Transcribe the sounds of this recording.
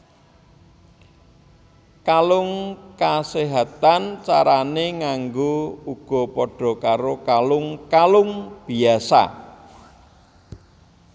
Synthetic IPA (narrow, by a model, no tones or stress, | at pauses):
kalʊŋkaseɦat̪ant͡ʃaɾaneŋaŋɡouɡ̥ɔ̤pɔɖ̥ɔ̤kaɾokalʊŋkalʊŋb̥i̤asa̰